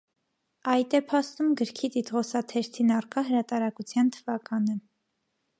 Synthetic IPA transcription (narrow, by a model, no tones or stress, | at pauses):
ɑjt̪ɛpʰɑst̪umɡəɾkʰit̪it̪ʁɔsɑt̪ʰɛɾt̪ʰinɑrkɑɦəɾɑt̪ɑɾɑkut͡sʰjɑnt̪ʰəvɑkɑnə